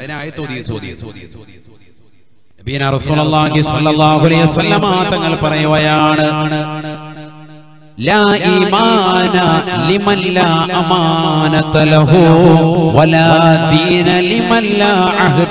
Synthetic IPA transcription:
nɐbijɐnaːrɐsuːlɐlːaːɦisɐlːɐlˠˤːaːɦuɐlejʋɐsɐlːɐmaːt̪ːɐŋːɐɭpɐrɐjuɣɐjaːɳɨɳ | laːiːmaːnɐlimɐnlaːʔɐmaːnɐt̪lɐɦuwɐlaːd̪iːnɐlimɐnːaːʔɐɦɨ

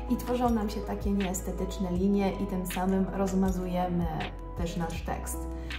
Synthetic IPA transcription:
ʔit̪fɔʐɔ̃w̃namɕɛt̪akʲɛɲɛːst̪ɛt̪ɘt͡ʂnɛlʲiɲjɛʔit̪ɘmsamɘmɾɔzmazujɛmɘ | t̪ɛʂnaʂt̪ɛ̰kst̪

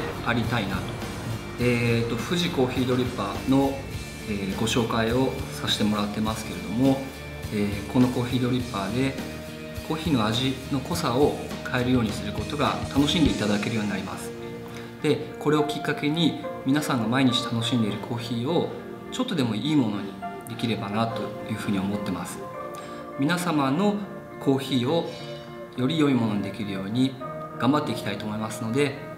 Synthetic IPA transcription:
aɾʲit̪ainat̪o̞̥ | eːt̪ːo̞ɸɯ̟ʑiko̞ːçiːd̪o̞ɾʲipːaːno̞ | eːɡo̞ɕo̞ːkaio̞saɕi̥t̪e̞mo̞ɾat̪ːe̞masɨ̥ke̞ɾe̞d̪o̞mo̞ | eːko̞no̞ko̞ːçiːd̪o̞ɾʲipːaːd̪e̞ | kʰo̞ːçiːno̞aʑino̞ko̞sao̞kʰae̞ɾɯ̟jo̞ːɲ̟isɨɾɯ̟ko̞t̪o̞ɡa̰t̪ano̞ɕĩnd̪e̞it̪ad̪ake̞ɾɯ̟jo̞ːɲ̟inaɾʲima̰sɨ̥ | d̪̥e̞ko̞ɾe̞o̞kʲikːake̞ɲ̟imʲinasãŋɡamaiɲ̟it͡ɕi̥t̪ano̞ɕĩnd̪e̞ɾɯ̟kʰo̞ːçiːo̞ | t͡ɕo̞t̪ːo̞d̪e̞mo̞iːmo̞no̞ɲ̟id̪e̞kʲiɾe̞banat̪o̞jɯ̟ːɸɯ̟ːɲ̟iomo̞t̪ːe̞masɨ̥ | mʲinasamano̞ | kʰo̞ːçiːo̞ | jo̞ɾʲijo̞imo̞no̞ɲ̟id̪e̞kʲiɾɯ̟jo̞ːɲ̟i | ɡ̥ãmbat̪ːe̞ikʲi̥t̪ait̪oːmo̞imasɨno̞d̪e̞

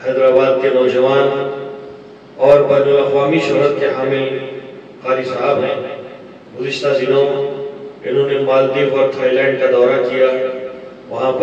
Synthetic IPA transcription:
hɛːd̪ɾaːbaːd̪̚kenɔːd͡ʒɐʋaːn | ɔːɾbɛːnʊlɐxʋaːmiʃʊɦɾət̪keɦaːmɪl | xaːɾisaɦəbne | ɡʊzɪʃt̪azɪnõ | ɪnɦõːnemaːld̪iːfɔːɾt̪ʰaːilɛ̃ːɳɖ̚kad̪ɔːɾakija | ʋɐɦãp

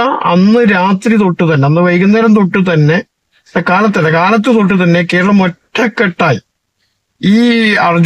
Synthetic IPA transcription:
ɐɐnːɨɾaːt̪rit̪o̞ʈːut̪ɐnːeɐnːɨʋɐjkunːɐɾɐnt̪̬o̞ʈːɨt̪ɐnːe̞ | ðɐkaːlɐt̪ːeɐkaːlɐt̪ːɨt̪o̞ʈ̬ːɨt̪ɐnːe̞ke̞ːɾɐɭɐmoʈʰːɐkːeʈːaːji | iːɐrɐd͡ʑ

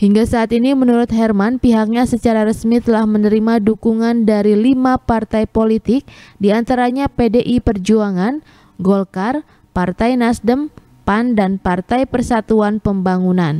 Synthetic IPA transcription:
hiŋɡasaːt̪inimənuɾʊt̪ɦɛrmanpiɦak̚ɲasət͡ʃaɾaɾəsmit̪əlahmənəɾimadukuŋandaɾilimapart̪ajpolit̪ɪk̚diant̪aɾaɲapedeʔipərd͡ʒuaŋan | ɡɔlkar | part̪ajnasdəm | pandanpart̪ajpərsat̪uanpəmbaŋunan

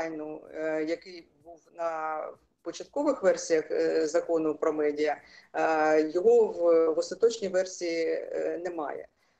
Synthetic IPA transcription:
jnʊjɐkɪjbuwnɐ | pɔt͡ʃɐt̪̚kɔʋɪxʋɛrsʲijɐxzɐkɔnʊpɾɔmɛdʲijɐ | jɔɦɔwʋɔst̪ɐt̪ɔt͡ʃnʲiʋɛrsʲijinɛmɑ̰jɛ̰

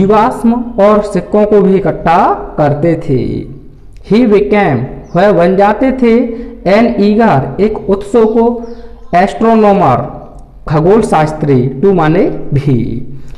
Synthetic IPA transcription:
d͡ʒiʋaːsmɔːɾsɪkːõkobʱikəʈʰːakəɾt̪et̪ʰḛː | hiʋɪkɛːmhɛbənd͡ʒaːt̪et̪ʰeɛːniːɡaɾeːkʊt̪soko | ɛːsʈɾonoːməɾ | ɡʱəɡoːlsaːst̪ɾiʈumaːnebʱḭ

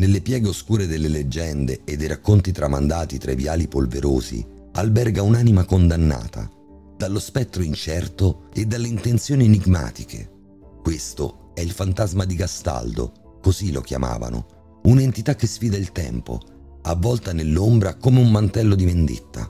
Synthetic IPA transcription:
nelːepjɛːɡeoskuːɾed̪elːeled͡ʒːɛnd̪eːd̪ːejɾakːont̪it̪ɾamːa̰nd̪aːt̪it̪ɾaivjaːlipolveɾo̰ːzḭ | albɛrɡaunaːnimakond̪anːa̰ːt̪ʰa̰ | d̪̥alːospɛt̪ːɾoint͡ʃɛrt̪oed̪ːalːeint̪ent̪sjoːniniɡma̰ːt̪ikʰḛ | kwest̪o̰ | ɛilfant̪azmad̪iɡast̪a̰ld̪o̰ | kozilːo̰kja̰ma̰ːva̰no̰ | unaent̪it̪akːesfiːd̪ailt̪ɛ̰mpo̰ | a̰vːɔlt̪anelːombɾakomeumːant̪ɛlːod̪imend̪ḭt̪ːa̰

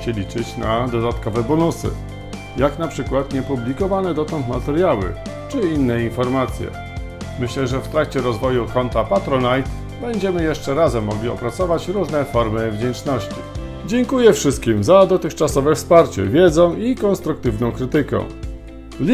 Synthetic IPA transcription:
ɕɛlʲit͡ʂɘt͡ɕnad̪ɔd̪at̪kɔvɛbɔnusɘ̰ | jaknapʂɘkwat̪ɲɛpublʲikɔvanɛd̪ɔt̪ɔ̃nt̪mat̪ɛɾjawɘ̰ | t͡ʂɘinːɛinfɔɾmat̪sʲjɛ̰ | mɘɕlɛʐɛft̪ɾakt͡ɕɛɾɔzvɔjukɔnt̪apat̪ɾɔnajt̪ | bɛɲd͡ʑɛmɘjɛʂt͡ʂɛɾazɛmːɔɡlʲiɔ̰pɾat̪sɔvat͡ɕɾuʐnɛfɔɾmɘvd͡ʑɛnt͡ʂnɔɕt͡ɕḭ | d͡ʑɛŋkujɛfʂɘst̪̚kʲimzad̪ɔt̪ɘxt͡ʂasɔvɛfspaɾt͡ɕɛ̰vʲjɛd̪zɔ̃w̃ikɔnst̪ɾukt̪ɘvnɔ̃w̃kɾɘt̪ɘkɛ̰̃ | lʲ

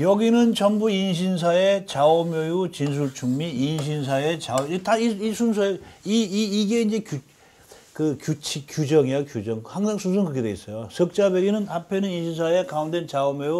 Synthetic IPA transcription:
jʌɡinɯnt͡ɕʌnbuinɕ̬ʰins̬ʰae̞t͡ɕaomjojut͡ɕins̬ʰuɭt͡ɕʰuŋmiinɕ̬ʰins̬ʰaet͡ɕaotaiisʰuns̬ʰoeiːɡe̞ind͡ʑe̞ku | kɯkjut͡ɕʰikjud͡ʑʌŋiʌkjud͡ʑʌŋhaŋsʰaŋsʰuns̬ʰoŋkɯk͈edweis͈ʌjosʰʌk̚t͡ɕ͈abeɡinɯnapʰe̞nɯninɕʰins̬ʰae̞kaundent͡ɕaomjoju

